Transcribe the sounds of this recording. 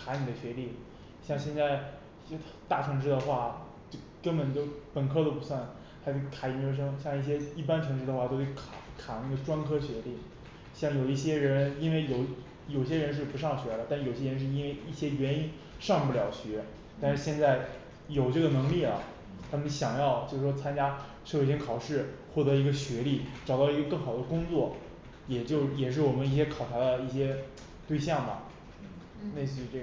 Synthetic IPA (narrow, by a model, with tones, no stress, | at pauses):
kʰa˧˥ni˨˩d̪ə˦ɕɥɛ˧˥li˥˩ | ɕjɑ˥˧ŋɕjɛ˥˧nt͡sa˥˩ɪ˥˧ | t̪a˥˩ʈ͡ʂʰɤ˧˥ŋʂ̬ɻ̩˥d̪ə˨˧xwa˥˩ | t͡ɕjo˥˩ʊkə˥npə˨˩nt̪jo˥˧ʊpə˨˩nkʰɤ˥t̪o˥ʊpu˧˥swa˥˩n | xa˧˥ʂʰkʰa˨˩jɛ˧˥nt͡ɕjo˧˥ʊʂ̬ɤ˥ŋɕjɑ˥˧ŋi˥˩jɛ˥i˥˩p̬a˥nʈ͡ʂʰɤ˧˥ŋʈ͡ʂɻ̩˥˧d̪ə˧xwa˥˩t̪o˥ʊxwkʰa˨˧˩kʰa˨˩na˥˩ɡə˩ʈ͡ʂwa˥nkʰɤ˥ɕɥɛ˧˥li˥˩ | ɕjɑ˥˩ŋjo˨˩ʊi˥˩ɕ̬jɛ˥ɻə˧˥ni˥nwe˥˩ɪjo˨˧˩ʊ | jo˨˩ʊɕ̬jɛ˥ɻə˧˥nʂ̬ɻ̩˥˩pu˧˥ʂɑ˥˩ŋɕɥɛ˧˥lə˧t̪a˥˩˧jʊɕjɛ˥ɻə˧˥nʂ̬ɻ̩˥˧i˥nwe˥˧ɪi˥˩ɕjɛ˥ɥɛ˧˥ni˥n | ʂɑ˥˧ŋp̬u˥˩ljɑ˨˩ʊɕɥɛ˧˥ | t̪a˥˧ʂɻ̩˥˧ɕjɛ˥˧nt͡sa˥˩ɪ | jo˨˩ʊʈ͡ʂɤ˥˩ɡə˩nɤ˧˥ŋli˥˩lə̰˩ | t̪ʰa˥˩mə˦nɕjɑ˨˩ŋjɑ˥˧ʊt͡ɕjo˥˧ʊʂɻ̩˥˩ʂwɔ˥t͡sʰa˥nt͡ɕja˥ʂjo˧˩ɕjɛ˥kʰɑ˨˩ʊʂɻ̩˥˩xwɔ˥˩t̪ɤ˧˥i˧˥ɡə˧ɕɥɛ˧˥li˥˩ʈ͡ʂɑ˨˩ʊt̪ɑ˥˩ʊi˧˥ɡə˧kɤ˥˩ŋxɑ˨˩ʊd̪ə˦kʊ˥ŋt͡swɔ˥˩ | jɛ˨˩t͡ɕjo˥˧ʊjɛ˨˩ʂ̬ɻ̩˥˩wɔ˨˩mə˦ni˥˩ɕ̬jɛ˥kʰɑ˨˩ʊʈ͡ʂʰa˧˥d̪ə˧i˥˩ɕjɛ˥ | t̪we˥˧ɪɕ̬jɑ˥˩ŋbɐ̰˩ | ne˥˩ɪɕy˥˧ʈ͡ʂɤ˥˩